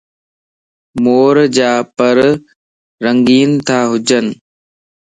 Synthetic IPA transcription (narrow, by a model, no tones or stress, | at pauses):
moːɾd͡ʑaːpəɾ | ɾəŋɡiːnt̪ʰaːɦʊd͡ʒən